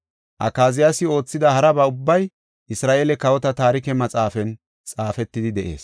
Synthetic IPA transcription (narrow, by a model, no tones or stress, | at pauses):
ʔɐ̰kaːzɪjasɪo̞ːt͡sːɪd̪ɐhɐɾɐbɐʊbːɐj | ʔɪsɾaːʔeːlɛkɐwɔt̪ɐt̪aːɾɪkɛmɐt͡sʼaːfɛn | t͡sʼaːfɛt̪ːɪd̪ɪd̪ɛʔe̞̰ːs